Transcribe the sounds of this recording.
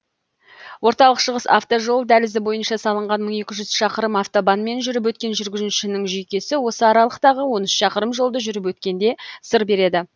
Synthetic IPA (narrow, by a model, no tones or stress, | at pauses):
wʔo̞ɾt̪ɑlˠəqʃəʁəsa̰ft̪o̞ʒo̞lˠd̪ælɪzɪbo̞jənʃɑsɑlˠəɴʁɑnməɴe̞kʲɪʒʏz̥ʃɑqəɾəmɑft̪o̞bɑnme̞nʒʏɾɪp̬wɵt̪̚kʲe̞nʒʏɾɡʲɪzɪnʃɪnɪŋʒʏjkʲe̞sɪwo̞səɑɾɑlˠəqt̪ɑʁəwo̞nʏsʃɑqəɾəmʒo̞lˠd̪əʒʏɾɪp̬wɵt̪kʲe̞nd̪e̞səɾbe̞ɾe̞d̪ɪ